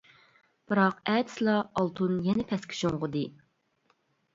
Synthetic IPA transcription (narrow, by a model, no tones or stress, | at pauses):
b̥ɨɾɑqɛd̪ɪ̥slˠɑɑlˠt̪ʰunjɛnɛpʰɛskʲʰi̥ʃoŋʁʊd̪ɨ